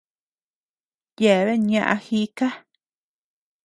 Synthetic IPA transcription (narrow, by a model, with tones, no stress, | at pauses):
je˨βe˦ɲã˧ʔã̰˧hi˧˦ka˦